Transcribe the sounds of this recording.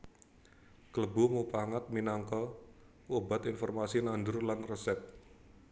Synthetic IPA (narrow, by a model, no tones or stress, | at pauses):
kələbumupaŋat̪̚minaŋkɔ | woba̤t̪infɔrmasinand̪ɾulanrəsɛt̪̚